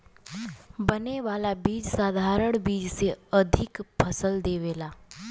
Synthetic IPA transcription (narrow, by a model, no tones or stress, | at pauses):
bəneʋaːlabiːd͡ʒsaːd̪ʱaːɾəɽ̃biːd͡ʒseɐd̪ʱɪkpʰəsəld̪eːʋeːlaː